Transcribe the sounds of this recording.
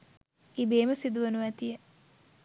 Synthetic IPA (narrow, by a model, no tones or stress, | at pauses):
ibeːməsid̪uʋənuʋæt̪ijə